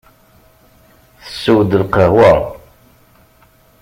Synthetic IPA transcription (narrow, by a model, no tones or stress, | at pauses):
θə̥sːəwd̪əlqəhwə